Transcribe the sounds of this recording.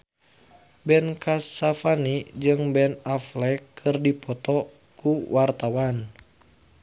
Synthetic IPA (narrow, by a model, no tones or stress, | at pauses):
bɛnkasafanid͡ʒɨŋbɛnaflɛkʰɨrdipɔt̪ɔ | kuwart̪awan